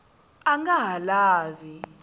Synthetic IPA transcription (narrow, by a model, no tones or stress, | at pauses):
aŋɡaɦalaːvi